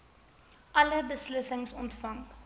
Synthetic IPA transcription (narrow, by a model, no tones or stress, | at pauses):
ʔɐləbəsləsəŋsɔntfɐŋ